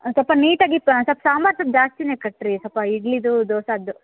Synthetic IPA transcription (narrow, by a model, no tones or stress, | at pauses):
sɐlpɐniːʈaːɡipsɐpsaːmbaːɾsɐp̚d͡ʒaːst̪ineːkɐʈːɾisɐpɐiɡlid̪ud̪oːsaːd̪ːu